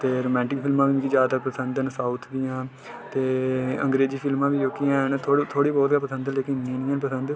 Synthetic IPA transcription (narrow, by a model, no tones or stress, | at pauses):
t̪eːɾoːmɛ̃ːɳʈɪkpʰɪlmãːʋiːbiːkid͡ʒjaːd̪t̪ək̚pɾəsənd̪ənsaːut̪ʰd̪ijãː | t̪eːə̃ŋɡɾeːd͡ʒiːpʰɪlmãːʋiːd͡ʒoːkijãːnt̪ʰoːt̪ʰoːɽiːbɔːt̪ɡaːpəsə̃nd̪leːkɪnĩnĩənpəsə̃nd̪